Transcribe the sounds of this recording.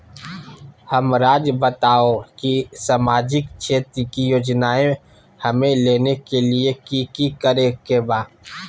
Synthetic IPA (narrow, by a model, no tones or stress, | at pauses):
hɐmɾaːd͡ʒbət̪aːokisamaːd͡ʒɪkt͡ʃʰeːt̪ɾikijoːd͡ʒnaːẽ | hɐmẽleːnekeliekikikəɾekebaː